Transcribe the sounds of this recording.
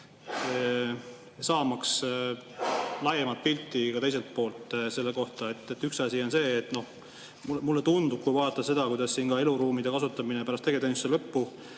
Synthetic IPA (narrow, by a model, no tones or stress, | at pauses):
sɑːmɑks | lɑjemɑlt̪̚pilʲt̪ˑːikɑt̪ejs̬e̞lt̪̚po̞ːlt̪ːˑse̞lːe̞ko̞ht̪ɑe̞t̪ːˑet̪ːyksɑsʲio̞nse̞ːt̪ːˑno̞h | mumulːe̞t̪und̪ub̥̚kujvɑːt̪ːˑɑse̞d̪̥ɑkujd̪̥ɑssiːnkɑe̞luɾuːmid̪e̞kɑsut̪ːˑɑminepæɾɑst̪eɡed̪enuselɤpːu